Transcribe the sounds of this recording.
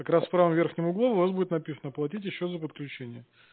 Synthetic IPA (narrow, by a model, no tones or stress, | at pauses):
ɐkɾasfpɾavəmvʲerxnʲɪməʊɡlˠovʊvasbudʲɪt̪nɐpʲisənəplˠɐt̬ʲitʲjɪɕːozəpət̪̚klʲʉt͡ɕenʲɪjə